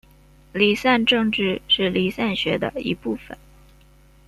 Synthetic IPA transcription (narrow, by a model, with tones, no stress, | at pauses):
li˨˩sa˥˧nʈ͡ʂɤ˥˧ŋʈ͡ʂɻ̩˥˧ʂɻ̩˥˩li˨˥sa˥˩nɕɥɛ˧˥d̪ə̰˧ḭ˧˥pu˥˩fə̰˨˩˦n